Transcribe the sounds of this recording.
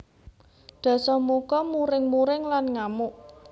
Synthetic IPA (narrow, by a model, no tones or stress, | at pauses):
ɖ̪̥ä̤sɔmukɔmuɾɪŋmuɾɪŋlanŋamʊʔ